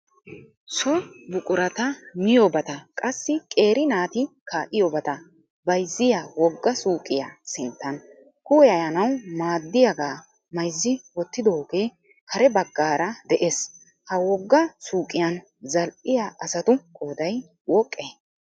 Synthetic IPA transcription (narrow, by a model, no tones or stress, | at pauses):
sɔbʊkʼʊɾɐt̪ɐmɪjobɐt̪ɐkʼɐsːɪkʼe̞ːɾɪnaːt̪ɪkaːʔɪjobɐt̪ɐ | bɐjzːɪjawɔɡːɐsuːkʼɪjasɪnt̪ːɐn | kʊwɛjɐjɐnɐwmaːd̪ːɪjaɡaː | mɐjzːɪwɔt̪ːɪd̪oɡe̞ː | kʰɐɾɛbɐɡːaːɾɐd̪ɛʔes | hɐwɔɡːɐsuːkʼɪjɐn | zɐlʔɪjaʔɐsɐt̪ʊkʼoːd̪ɐj | wɔkʼːe